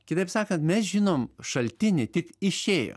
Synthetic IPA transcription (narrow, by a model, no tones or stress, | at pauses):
kʲɪt̪ɐɪpsɑːkɐnt̪mʲɛsʒʲɪnoːmʃɐlʲt̪ʲɪnʲɪt̪ʲɪkɪʃʲeːjo̰ː